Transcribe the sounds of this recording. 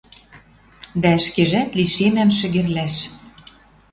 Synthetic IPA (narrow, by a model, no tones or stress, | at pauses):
d̪æə̆ʃkeʒæt̪liʃemæmʃɘ̆ɣĕrlæʃ